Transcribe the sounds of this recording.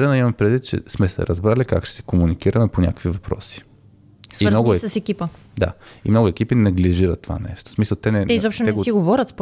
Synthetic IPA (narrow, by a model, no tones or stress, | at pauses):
ɾɛnɐimɐmpɾɛd̪vit̪̚t͡ʃɛ̰smɛsɛ̰ɾɐzbɾalika̰kʃɛ̥sɛ̥komunikiɾɐmɛponʲa̰kəkvivɐpɾɔ̰si̥ | simmnɔɡʊɛsɐsɛkʲipə | d̪a̰ḭmnoɡʊɛkʲipinɐɡliʒiɾət̪ːova̰nɛ̰ʃt̪o̥smisəlˠt̪ɛnɛɛizɔpʃt̪onɛɡot̪iɡovɔɾʲət̪sp